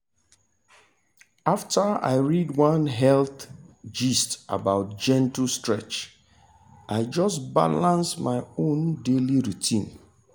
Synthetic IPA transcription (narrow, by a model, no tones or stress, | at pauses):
aftəa̰ɪɹidwãnɦɛlθd͡ʒista̰baʊt̚d͡ʒɛ̃ntl̩stɹɛt͡ʃ | aɪd͡ʒɔsba̰lãnsmaɪõndeliɹutʰĩn